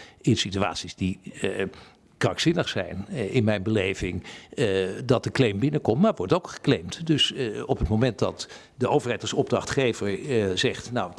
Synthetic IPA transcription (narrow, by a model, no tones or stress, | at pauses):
ɪnsitya̰ːtsizdi | krɑksɪnəχsɛ̰jnɪnmɛjnbəlejvɪŋ | dɑt̚dəklejmbɪnəkɔmtmaːɹʋɔɹtowkχə̥klejmtdɵsɔpətmomɛntdɑt | dəowvəɹɦɛjtɑlˠsɔb̚drɑχtχejvəɹzɛχtnaw